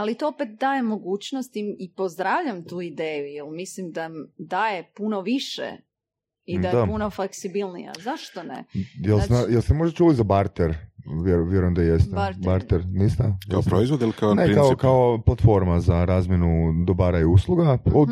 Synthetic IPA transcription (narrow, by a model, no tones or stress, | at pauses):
alit̪oopet̪̚d̪aːjemːo̞ɡuːt͡ɕnost̪imipozd̪ɾaʋʎamt̪uːid̪eːjujelmislimd̪amd̪aːje̞punoʋiʃḛ | iajd̪aunofleksibilˠnḭja̰zaʃt̪onḛjelˠsnajelsemo̞ʒd̪at͡ʃulit̪zabaɾt̪eɾʋjeɾʋjeɾujemd̪ajest̪ebaɾt̪eɾnist̪aaopɾoizʋod̪ilikaonekaokaoplˠat̪fo̞ɾmazaɾaːzmjenud̪obaːɾajuslˠuɡaod̪